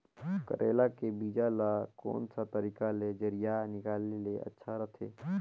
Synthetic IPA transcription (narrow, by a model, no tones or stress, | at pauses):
kə̰ɾʔeːlakebiːd͡ʒalako̰ːnsat̪əɾiːkaled͡ʒəɾijanɪkaːleleʔɐ̰tːʃʰaɾɐt̪ʰeː